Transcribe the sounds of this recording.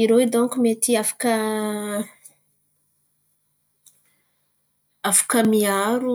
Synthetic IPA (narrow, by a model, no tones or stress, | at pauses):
iɾod̪õŋkumet̪iafḁkə | afḁkəmiaɾu